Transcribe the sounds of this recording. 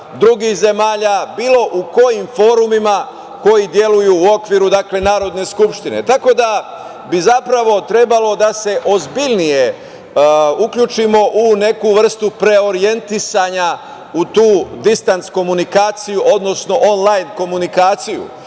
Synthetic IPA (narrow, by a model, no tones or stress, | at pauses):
d̪ɾuɡixze̞maːʎabiːlo̞ʔuko̞jimfo̞ːɾumima | ko̞jid̪je̞lujuːo̞kʋiːɾud̪akle̞naːɾo̞d̪ne̞skupʃt̪ine̞̰t̪ako̞d̪a | bizapɾaʋo̞t̪ɾe̞balo̞d̪ase̞ʔo̞zbiʎnije̞ | ukʎut͡ʃimo̞ʔune̞kuʋr̩st̪upɾe̞o̞ɾije̞nt̪isaɲa | ut̪uːd̪ist̪ant̪sko̞munikaːt̪sijuʔo̞d̪no̞sno̞ʔonlajnko̞munikaːt̪sijṵ